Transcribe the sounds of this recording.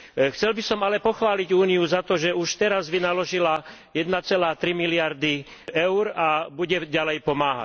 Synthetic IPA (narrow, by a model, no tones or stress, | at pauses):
xt͡sɛlbisɔmalɛpɔxʋaːliɟuːniuzat̪ɔʒɛuʃt̪ɛɾazʋinalɔʒilajɛd̪nat͡sɛlaːt̪ɾimilɪaɾd̪i | ʔɛʊɾabuɟɛɟalɛjpɔmaːɦa̰